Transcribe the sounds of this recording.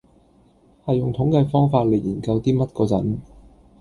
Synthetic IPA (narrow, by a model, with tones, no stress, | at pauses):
hɐ˨jʊ˨˩ŋt̪ʰʊ˨˥ŋkɛː˧fɔː˥ŋfaː˧t̚le˨˩jiː˨˩nkɐ˧wt̪iː˥mɐ˥t̚kɔː˧t͡sɐ̰˨˥n